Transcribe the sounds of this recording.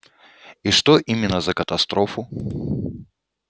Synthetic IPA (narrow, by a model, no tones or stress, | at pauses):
iʂt̪oʔimʲɪnːəzəkət̪ɐst̪ɾofʊ